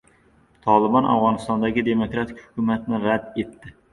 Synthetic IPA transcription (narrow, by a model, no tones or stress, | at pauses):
t̪ʰɒlˠɪbɑnʔa̰vʁɑnɨst̪ɒnd̪aɡʲɪd̪emokɾat̪ʰɪkʲhʊkʰʲumat̪nɪɾad̪et̪ːɪ